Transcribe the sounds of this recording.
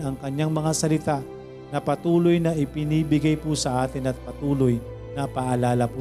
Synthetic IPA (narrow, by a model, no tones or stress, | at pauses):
ɐŋkɐɲːaŋmɐŋasɐlɪt̪a | nɐpɐt̪uːlojnɐʔɪpɪniːbɪɡajpusɐʔaːt̪ɪnɐt̪̚pɐt̪uːloj | nɐpaʔɐlaːlɐpu